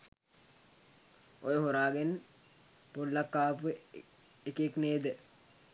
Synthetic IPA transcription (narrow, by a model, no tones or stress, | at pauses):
ojeɦoɾaːɡen | polːakːaːpue | ekekneːd̪e